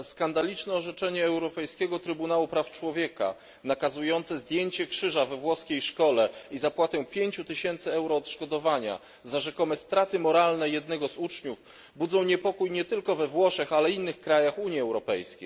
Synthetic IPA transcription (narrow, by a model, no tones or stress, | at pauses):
skand̪alʲit͡ʂnɛɔʐɛt͡ʂɛɲɛːwɾɔpɛjskʲɛɡɔt̪ɾɘbunawupɾaft͡ʂwɔvʲjɛka̰ | nakazujɔnt̪sɛzd̪ʲjeɲt͡ɕɛkʂɘʐavɛvwɔskʲejʂkɔlɛizapwat̪ɛpʲjeɲt͡ɕut̪ɘɕɛnt̪sɘɛwɾɔːt̪ʂkɔd̪ɔvaɲa̰ | zaʐɛkɔmɛst̪ɾat̪ɘmɔɾalnɛjɛd̪̚nɛɡɔzut͡ʂɲuv | bud̪zɔ̃w̃ɲɛpɔkujɲɛt̪ɘlkɔvɛvwɔʂɛxalɛinːɘxkɾajaxuɲjiɛwɾɔpɛjskʲej